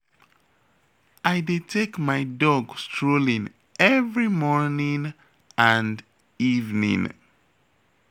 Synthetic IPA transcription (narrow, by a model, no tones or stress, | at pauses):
ʔajdetʰekmajdɔɡstɹolĩŋ | ɛvɹimɔɹnĩŋ | ãnd | ivnḭ̃ŋ